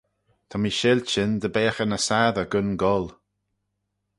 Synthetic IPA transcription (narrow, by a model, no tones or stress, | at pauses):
t̪ʰamiʃɪlt͡ʃɪnd̪əbɛːxənəsaːðəɡʊnɡɔl